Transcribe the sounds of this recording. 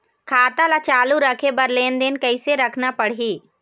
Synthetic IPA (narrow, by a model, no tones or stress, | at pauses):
kʰaːt̪alat͡ʃaːluɾəkʰebɐɾleːnd̪ɪnkəɪseɾɐkʰnapəɽɦiː